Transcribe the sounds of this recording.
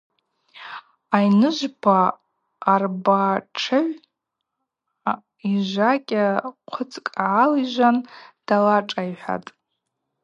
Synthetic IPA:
ajnɨʒʷbʰaː | rbaʈ͡ʂʰɨʕʷ | iʒʷakʲʼaqʷʰʊt͡sʼkʼʕːaliʒʷand̥alaʈ͡ʂʼajħʷᶣa̰tʼ

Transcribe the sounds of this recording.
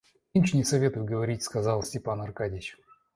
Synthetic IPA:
imʲt͡ɕnʲɪsɐvʲe̞t̪ʊjʊɡəvɐɾʲitʲskɐzɑlˠsʲtʲɪpanɐrkadʲɪt͡ɕ

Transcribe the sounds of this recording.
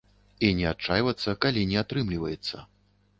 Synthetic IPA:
inʲɛat͡ʂajvɐt̪sːɐkalʲinʲɛat̪ɾɨmlʲivɐjɛt̪sːɐ̰

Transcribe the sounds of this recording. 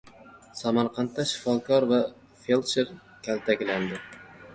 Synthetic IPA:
samaɾqʰɑnt̪ːaʃɪ̥fɒkʰɒɾva | felˠʃeɾ | kʲʰalt̪ʰakʲland̪ɪ

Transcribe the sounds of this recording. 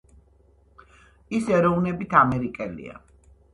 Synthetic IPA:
isɛɾɔvnɛbit̪ʰamɛɾikʼɛlḭa̰

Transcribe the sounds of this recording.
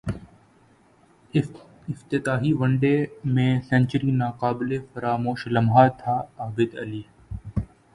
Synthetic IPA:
ɪft̪ɪt̪aːɦiːʋəɳɖeːmẽːsɛ̃nt͡ʃəɾiːnaːqaːbɪlefɐɾaːmoːʃlɐmɦaːt̪ʰaːaːbɪd̪ɐ̰liː

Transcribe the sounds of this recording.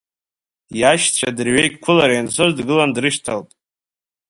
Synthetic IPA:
jaʃt͡ɕʷʰadɨrɥejkʼkʷʰʊlaɾajansʰozdɡɨlandrɨʃtʰaltʼ

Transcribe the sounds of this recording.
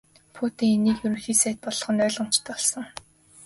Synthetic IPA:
pʰuːt̪iːŋeniːkjɵɾɵ̆ŋxiːsæːt̪̚pɔɮ̆χɞ̆nœːɮʁə̆m̥t͡ɕʰt̪ɔɮsɞ̆ŋ

